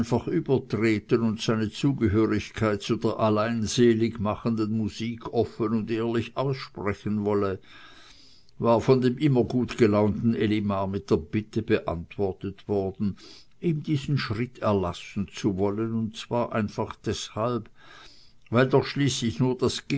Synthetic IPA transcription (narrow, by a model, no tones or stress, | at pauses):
nfaχʔyːbɐtʁ̥eːtənʊntz̥aɪnət͡suːɡəɦøːʁɪçkʰaɪt̚t͡sudeːɐʔalaɪnzeːlɪɡmaχəndənmuziːkʰɔfənʊndeːɐlɪçaʊsʃpʁɛçənvɔlə | vaːɐfɔndeːmʔɪmɐɡuːtɡ̥əlaʊntn̩elimaːmɪt̚d̥eːɐb̥ɪtəbəʔa̰ntv̥ɔʁtətv̥ɔɐd̥n̩ | ʔiːmdiːzn̩ʃʁ̥ɪtʰɛɐlasn̩t͡suvɔlənʊntt͡sv̥aːɐʔa̰ɪnfaχd̥ɛshalb | vaɪldɔχʃliːslɪçnuːɐd̥asɡ̥